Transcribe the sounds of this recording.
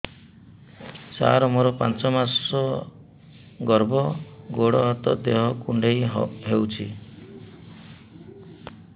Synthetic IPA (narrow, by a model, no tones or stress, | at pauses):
t͡ʃa̰ɾɔmɔɾɔpant͡ʃɔmasɔ | ɡɔɾbɔɡoɽɔɦɔt̪ɔd̪eɦɔkuɳɖejɦewt͡ʃʰi